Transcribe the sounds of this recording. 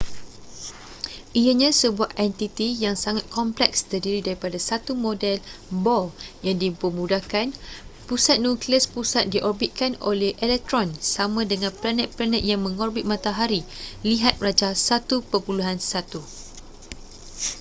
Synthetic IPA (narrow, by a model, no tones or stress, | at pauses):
ʔiəɲãsəbuahʔʔɛnt̪it̪ijaŋsaŋat̪̚kʰɔmplɛkst̪ərdiɾidaɾipadasat̪umõdɛlbɔljaŋdipəmũdahkanpusat̪̚nũkliəspusat̪̚diʔɔrbit̪̚kano̰lɛhʔɛlɛk̚t̪ɾɔnsamãdəŋãnplanɛt̪̚planɛt̪̚jaŋmə̃ŋɔrbit̪̚mãt̪aɦaɾiliɦat̪̚rad͡ʒasat̪upərbuluɦansat̪u